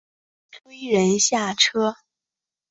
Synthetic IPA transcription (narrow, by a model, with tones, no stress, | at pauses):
ʈ͡ʂwe˥ɪɻə˧˥nɕja˥˩ʈ͡ʂʰɤ˥